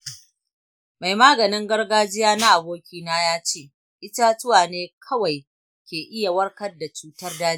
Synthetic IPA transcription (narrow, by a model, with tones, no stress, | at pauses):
ma˨jmaː˦ɡɐ˨nɪ˦ŋɡɐ˦rɡaː˦d͡ʒɪ˦jaː˦na˦ʔa˨boː˦kʲiː˦naː˦jaː˦t͡ʃeː˦˨ | ʔɪ˦ta˦tʊ˦waː˨neː˦kʰɐ˦wa˨j | kʲeː˨ʔɪ˦ja˨wɐ˦rkɐ˦rda˨t͡ʃuː˦tɐ˦rdaː˦